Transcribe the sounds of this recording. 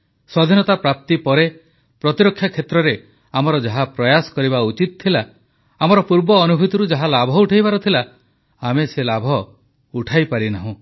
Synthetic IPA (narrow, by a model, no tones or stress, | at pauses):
swɔd̪ʱinɔt̪apɾap̚t̪ipɔɾe | pɾɔt̪iɾɔkʰːjakʰːet̪ɾɔɾe | amɔɾɔd͡ʒaɦapɾɔjasɔ̥kɔɾibaut͡ʃit̪̚ɔt̪ʰːilaː | mɔɾɔpuɾbɔːnubʱut̪ɔɾud͡ʒaɦalabʱɔuʈʰajbaɾɔt̪ʰila | ameselabʱɔ | uʈʰajpaɾinaɦũ